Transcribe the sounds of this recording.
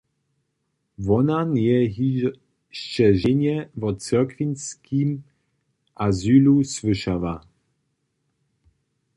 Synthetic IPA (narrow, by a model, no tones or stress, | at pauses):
vɔnanjɛɦi | ʃt͡ʃɛʒɪɲɛvɔt͡sɛkvinskʰim | ʔazylusvɨʃava